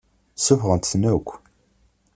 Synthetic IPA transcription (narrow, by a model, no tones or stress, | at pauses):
sʊfʁənt̪snækʷː